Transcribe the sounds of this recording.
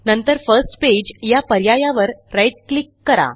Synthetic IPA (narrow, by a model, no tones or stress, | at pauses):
nənt̪əɾfəɾsʈped͡ʑjapəɾjajaʋəɾɾajʈ̚klikːəɾa̰